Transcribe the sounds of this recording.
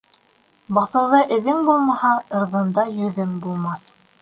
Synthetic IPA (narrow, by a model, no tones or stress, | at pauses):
bɑθɤ̆wðɤʔɘ̆ðɘŋbulˠmɑhɑɤ̆ɾðɤ̆nd̪ɑjɵ̆ðɘŋbulˠmɑθ